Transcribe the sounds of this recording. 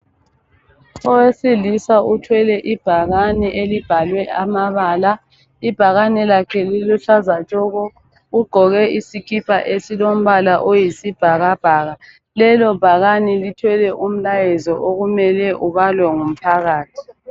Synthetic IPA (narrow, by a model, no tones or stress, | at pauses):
ɔwesilisautʰwɛlɛʔib̥ʱaɣaniʔelib̥ʱalwɛʔamaβaːla | ib̥ʱaɣanɛlakʰɛliluɬazat͡ʃʼɔɣɔ | uɡ͡ǃʱɔɣɛisikʰipʰa̰ʔesilom̩βalaʔojisib̥ʱaɣab̥ʱaːɣa | lɛlɔb̥ʱaɣanilitʰwɛlɛʔum̩lajɛzɔʔoɣumɛlɛʔuβalwɛŋum̩pʰaɣaːtʰi̥